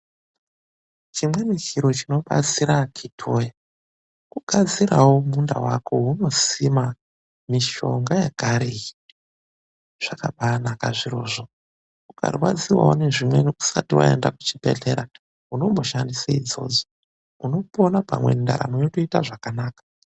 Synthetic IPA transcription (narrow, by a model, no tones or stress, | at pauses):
t͡ʃimwe̞nikiɾo̞t͡ʃino̞ɓa̰t͡siɾakʰitʰo̞ja | kuɡʱad͡ziɾawomundawako̞uno̞sima | miʃo̞ŋɡajeɡʱaɾiji | ʐ̥akaɓanakaʐiɾo̞ːʐo̞ | uka̰rwad͡ziwa̰o̰ne̞ʐimwe̞noku̥satiwa̰e̞̰ndaku̥t͡ʃipḛɮeɾa | uno̞mbo̞ʃandisaid͡zo̞̰ːd͡zo̥ | uno̞ponapa̰mwe̞̰nda̰ɾa̰mojotoitaʐakanaːkḁ